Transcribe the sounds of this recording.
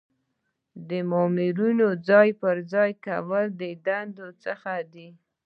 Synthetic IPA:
d̪əmɑmɪɾunod͡zɑjpəɾd͡zɑjkawəld̪əd̪and̪ot͡səxad̪i

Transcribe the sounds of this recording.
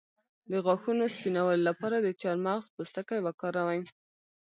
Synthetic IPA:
d̪əɣɑxunospinawəlolapɑɾad̪ət͡ʃaɾmaɣzpəst̪əkajwakɑɾawaj

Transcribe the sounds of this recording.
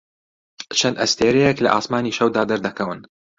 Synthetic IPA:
t͡ʃʰɐnʔɐst̪ʰeːɾɛjɛklɐ̰ʔa̰ːsmaːniːʃɐwd̪aːd̪ɐɾd̪ɐkʰɐwɨn

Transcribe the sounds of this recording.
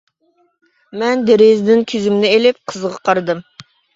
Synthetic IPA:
mɛnd̪eɾezd̪ɪnkʲʰyzymnɪelɪp̚qʰəzʁɑqʰɑɾɨd̪ɨm

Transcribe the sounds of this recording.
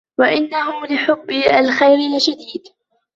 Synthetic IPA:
waʔɪnːaɦʊmlɪħʊbːɪʔalxajɾɪlɪʃad̪iːd̪

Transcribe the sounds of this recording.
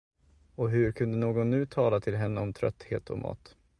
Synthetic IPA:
ɔɦɵɾkʰɵnd̪ənoːɡɔnːʉ̟ːt̪ʰɑːlat̪ʰɪlɦɛnːəɔmt̪ʰɾœ̰t̪ːhḛːt̪ʰɔ̰mʔɑ̰ːt̪

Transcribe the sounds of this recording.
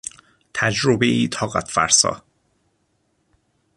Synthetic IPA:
t̪ʰæd͡ʒɾobeʔiːt̪ʰɒːɣæt̪fæ̰ɾsɒ̰ː

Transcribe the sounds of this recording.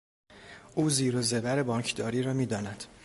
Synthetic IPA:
ʔuːziːɾozebæɾe̞bɒːŋcʰd̪ɒːɾiːɾɒːmiːd̪ɒːnæd̪̥

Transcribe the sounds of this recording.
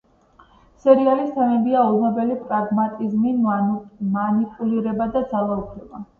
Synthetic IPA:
sɛɾialist̪ʰɛmɛbiaɔlˠmɔbɛlipʼɾaɡmat̪ʼizmi | manipʼuliɾɛbad̪ad̪zalˠaupʰɾɛba

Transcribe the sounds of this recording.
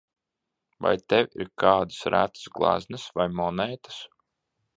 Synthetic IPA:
va̰jt̪ewʲḭɾkaːd̪ɨsɾæ̰t̪ɨ̥sɡlˠa̰znɨsvajmɔnɛjt̪ɨ̥s

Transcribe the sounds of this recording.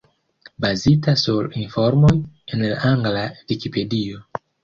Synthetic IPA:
bazitasuɾinfo̞ɾmojenlaʔaŋɡlavikipe̞dio̞

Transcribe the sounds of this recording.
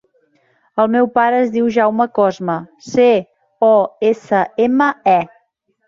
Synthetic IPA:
əlˠmɛwpaɾəːzðiwʒawməkɔzməse | ɔesəeməɛ

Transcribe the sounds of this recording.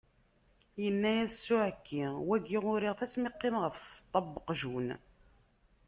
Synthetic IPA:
jənːæjæssːʊʕəkʰːiwæɡːiʁʊɾiʁθæsmɪqːemʁəfθst̪ˤːɑbːəqʒun

